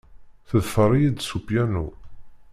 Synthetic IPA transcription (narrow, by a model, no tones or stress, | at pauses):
θəðfəɾˤijid̪supjænu